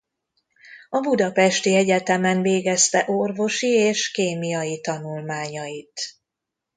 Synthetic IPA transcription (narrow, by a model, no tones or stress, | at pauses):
ɒbud̪ɒpɛʃt̪iɛɟɛt̪ɛmɛnveːɡɛst̪ɛʔorvo̞ʃieːʃkeːmijɒjit̪ɒnulmaːɲɒjit̪